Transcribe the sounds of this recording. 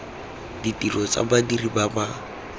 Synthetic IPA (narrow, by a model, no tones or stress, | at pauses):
ditʼirɔt͡sa̰badiribaba